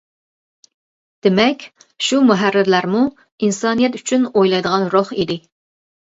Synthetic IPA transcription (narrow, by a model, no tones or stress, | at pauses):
d̪̥ɪmɛkʲ | ʃumuɦærːɪɾlæɾmu | insɑːnijɛt̪yt͡ʃʰynojlˠɑjd̪əʁɑnɾoχid̪ɪ